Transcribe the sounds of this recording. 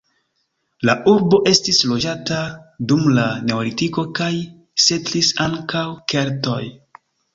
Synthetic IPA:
laʔuɾbo̞ʔe̞stislo̞d͡ʒatadumlane̞olitiko̞kaj | se̞tlisaŋkawke̞ɾto̞̰j

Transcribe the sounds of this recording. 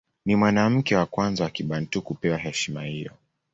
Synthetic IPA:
nimwanam̩kɛwakwanzawakiɓantukupɛwaɦɛʃima̰hijɔ̰

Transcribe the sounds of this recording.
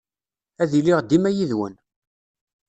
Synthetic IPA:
æðiliʁd̪imæjiðwə̰n

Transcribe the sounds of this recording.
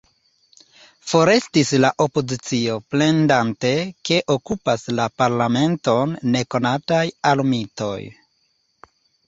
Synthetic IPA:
fo̞ɾe̞stislaʔo̞po̞zit͡sio̞ple̞ndante̞ke̞ʔo̞kupaslapaɾlame̞nto̞nːe̞ko̞natajalumito̞̰j

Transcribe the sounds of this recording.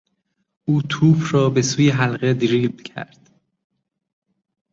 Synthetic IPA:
ʔuːt̪ʰuːfʰɾɒːbe̞suːjeɦælɣed̪iɾiːld̪cʰæ̰ɾd̪̥

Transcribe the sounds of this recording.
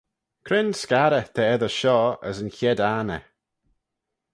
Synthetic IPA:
kʰɾɪnskaɾət̪ʰəɛðəʃɔə̰sənçɛdaːnə̰

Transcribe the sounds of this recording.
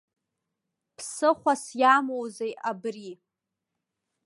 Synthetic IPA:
pʰsɨχʷasjamowzejabri

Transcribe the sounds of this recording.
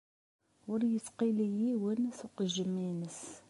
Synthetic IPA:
wəɾjətːqilijiwənæsuqəʒəmːinəs

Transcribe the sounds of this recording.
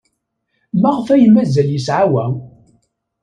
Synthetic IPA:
mæʁəfæjəmæzæljəsʕawæ

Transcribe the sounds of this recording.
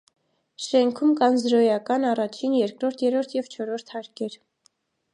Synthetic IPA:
ʃɛŋkʰumkɑnzɾɔjɑkɑnɑrɑt͡ʃʰinjɛɾkɾɔɾt̪ʰjɛɾɔɾt̪ʰjɛvt͡ʃʰɔɾɔɾt̪ʰhɑɾkɛɾ

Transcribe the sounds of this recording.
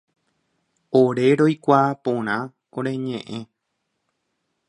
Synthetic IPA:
oɾe̞ɾo̞jkʷapõ̞ɾ̃ã | õɾe̞ɲẽʔẽ̞

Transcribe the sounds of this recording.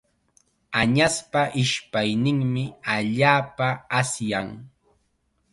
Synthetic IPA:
aɲaspaʔɪʃpajnɪŋmɪaʎaːpaːsjaŋ

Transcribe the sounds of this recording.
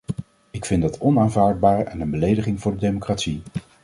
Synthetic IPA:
ɪkfɪndɑtʰɔnaːnvaːɹd̚baːɹɛnənbəlejdəχɪŋvʊːɹdədejmokraːtsi

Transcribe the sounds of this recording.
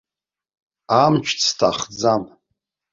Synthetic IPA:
amt͡ʃʰt͡sʰtʰaχd͡zam

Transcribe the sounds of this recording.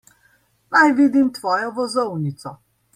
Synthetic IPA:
najviːd̪imt̪ʋɔːjɔvɔzɔwnit̪sɔ

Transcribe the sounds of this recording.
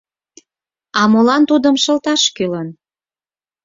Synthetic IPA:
ɑmolɑnt̪ud̪əmʃə̆lt̪ɑʃkylən

